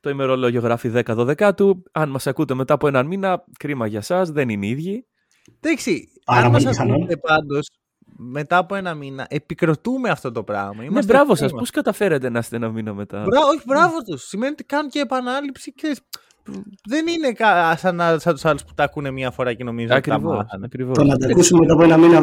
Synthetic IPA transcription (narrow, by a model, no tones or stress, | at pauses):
t̪oime̞ɾo̞lo̞ʝo̞ɣɾɐfiðe̞kɐðo̞ðe̞kɐt̪uɐnmɐsɐkut̪e̞me̞t̪ɐːpoenɐnminɐ | kɾimɐʝɐsɐsðe̞nineiðʝi | ðɐksi | ɐnmɐsɐskut̪epɐnd̪o̞s | me̞t̪ɐːpo̞e̞nɐminɐʔe̞pikɾo̞t̪ume̞ɐft̪o̞t̪o̞pɾɐ̰ɣmɐimnebɾɐvosɐspposkɐt̪ɐfe̞ɾet̪enɐst̪eenɐminɐme̞t̪ɐ̰bɾɐoçibɾɐvot̪osːime̞niet̪i̥kɐnuceːpɐnɐlipsikseɾis | ðe̞nine̞kɐsɐnɐsɐt̪usɐluspu̥t̪ɐkune̞mɲɐfo̞ɾɐce̞no̞mizoɐkɾivosɐkɾivot̪onɐd̪ɐkusumemet̪ɐpoenɐminɐ